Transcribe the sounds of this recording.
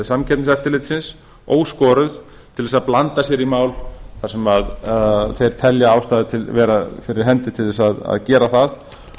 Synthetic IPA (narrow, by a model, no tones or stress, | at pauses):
samcʰɛt̪nɪsɛft̪ɪlɪt̪sɪns | oːwskɔːɾʏð | t̪ʰɪlðɛsaðplant̪asjɛɾimaːwlθaɾ̥sɛmaðθejɾ̥t̪ʰɛljaawst̪aːðɪt̪ʰɪvɛːɾafɪɾɪɾ̥ɦɛnt̪ɪt̪ʰɪlðɛsaða̰ðcɛːɾaθað